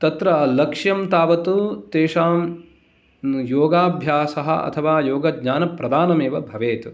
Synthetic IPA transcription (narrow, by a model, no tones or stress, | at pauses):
t̪ɐt̪ɾɐɐlɐkʂjɐmt̪aːʋɐt̪ut̪eːʃaːm | joːɡaːbʱjaːsɐɦɐ̰ɐ̰t̪ʰɐʋaːjoːɡɐd̪ɲaːnɐpɾɐd̪aːnɐmeːʋɐbʱɐʋeːt̪u